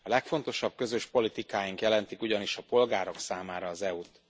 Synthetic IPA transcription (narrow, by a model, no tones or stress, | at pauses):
ɒlɛkfo̞nt̪o̞ʃɒb̥̚kø̞zøʃpo̞lit̪ikaːjiŋkjɛlɛnt̪ikuɟɒniʃɒpo̞lɡaːɾo̞ksaːmaːɾɒːzɛut̪